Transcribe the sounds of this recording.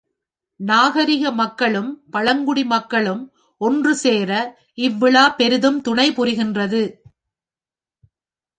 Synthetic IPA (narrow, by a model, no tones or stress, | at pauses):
naːɣɐɾɪɣɐmɐkːɐɭɯmpɐɻɐŋɡʊɽimɐkːɐɭɯm | ʔɔndrɯseːɾɐ | ʔɪʋːɪɭaːpɛɾɯðɯmt̪ʊɳɐɪpʊɾɪɣɪndrɐðɯ